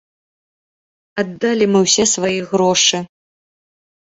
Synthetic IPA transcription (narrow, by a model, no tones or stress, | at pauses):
ad̪ːalʲimɨwsʲɛsvajiɣɾɔʂɨ